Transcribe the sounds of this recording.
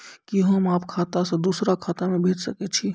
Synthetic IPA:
kiɦəmaːpkʰaːt̪asãd̪uːsɾakʰaːt̪amẽbʱeːt̪səkɛt͡ʃʰi

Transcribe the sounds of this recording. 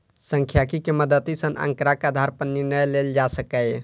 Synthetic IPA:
səŋkʰjakikeməd̪ət̪isənʔə̰̃ŋkɾakad̪ʱaɾpəniɾnəjleld͡ʒasəkəj

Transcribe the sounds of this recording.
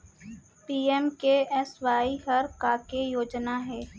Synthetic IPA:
piːɛmkeɛswaːiɦɐɾkaːkejoːd͡ʒnaɦɛː

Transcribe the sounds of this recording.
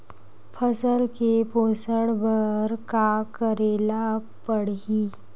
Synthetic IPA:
pʰəsəlkeposəɽbəɾkakəɾela | pəɽiː

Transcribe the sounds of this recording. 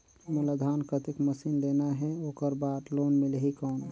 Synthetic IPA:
mulad̪ʱankət̪ikməsinlenaɦɛokəɾbad̪lonmilɦikɔn

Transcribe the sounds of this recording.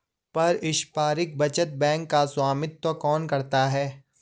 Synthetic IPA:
pɐɾɪʃpaːɾɪk̚bɐt͡ʃət̪̚bɛ̃ːŋkːaswaːmɪt̪ːokɔːnkɐɾt̪aɦɛː

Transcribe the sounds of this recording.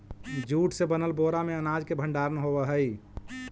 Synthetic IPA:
d͡ʒuʈsebənəlboɾameənad͡ʒkebʱə̃ɳɖaɾənɦobəɦəj

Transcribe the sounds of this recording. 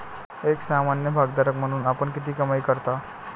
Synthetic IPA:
eksamanjəbʱaɡ̚d̪aɾəkm̤əɽ̃uːnapəɳkit̪iːkəmajkəɾt̪a

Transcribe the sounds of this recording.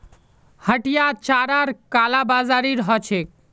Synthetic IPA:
həʈijat͡ʃaɾaɾkalabazaɾiɾɦɔt͡ʃʰek̚

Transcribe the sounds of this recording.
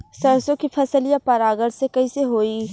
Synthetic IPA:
sɐɾsõkifʰɐsəljapɐɾaːɡəɽsekɐiseɦoːiː

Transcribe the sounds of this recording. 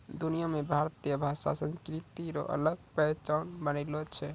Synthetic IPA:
d̪unijamebʱaɾt̪ijəbʱasa̰sə̃nskɾit̪iɾɔ̰ʔə̰ləɡ̚pɛt͡ʃanbənəɪlɔt͡ʃʰɛ

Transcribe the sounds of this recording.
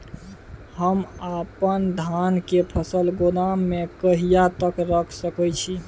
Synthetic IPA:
həmapənd̪ʱankepʰəsəlɡonamːekəɦijat̪əkɾəkʰsəkət͡ʃʰi

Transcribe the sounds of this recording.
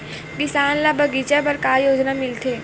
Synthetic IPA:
kɪsaːnlabɐɡit͡ʃabɐɾkaːjoːd͡ʒnamɪlt̪ʰeː

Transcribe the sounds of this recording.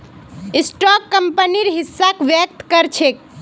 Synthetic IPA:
isʈɔkːəmpəniɾɦisːakʋjək̚t̪kəɾt͡ʃʰek̚

